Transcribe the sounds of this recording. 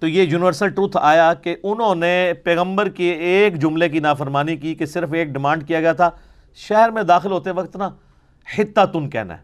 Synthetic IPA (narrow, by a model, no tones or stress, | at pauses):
t̪oːjeːjuːnɪʋəɾsəlʈɾuːt̪ʰa̰ːjakeʔʊnɦõnepɛːɣə̃mbəɾkeːkd͡ʒʊmlekinaːfəɾmaːnikikesɪɾfeːk̚ɖɪmãːɳɖ̚kijaɡɐjat̪ʰaː | ʃɛɦəɾmẽd̪aːxɪlɦoːt̪eɛʋɐkt̪na | hɪt̪ːat̪ʊnkɛ̰ːɦna̰ɦɛː